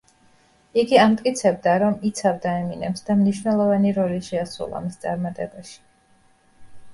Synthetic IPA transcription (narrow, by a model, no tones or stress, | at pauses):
iɡiamt̪ʼkʼit̪sʰɛb̚d̪aɾɔmit̪sʰavd̪aɛminɛ̰psd̪amniʃvnɛlˠɔvaniɾɔliʃɛasṵlˠa̰mist̪sʼaɾmat̪ʼɛbaʃi̥